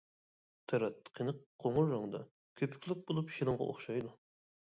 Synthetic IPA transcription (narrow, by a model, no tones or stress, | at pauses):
t̪ʰæɾɛt̪ːqʰənɨqʰːoŋʊɾːɑŋd̪ɑ̰ | kʲʰøpʰy̥kʲlyk̚ʲbolˠupʃilˠɨŋʁɑ̰ʔo̰χʃɑjd̪u